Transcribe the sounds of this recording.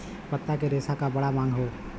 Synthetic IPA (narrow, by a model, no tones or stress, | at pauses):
pət̪ːak̬eɾeːsakabɐɽamãːŋɡɦoː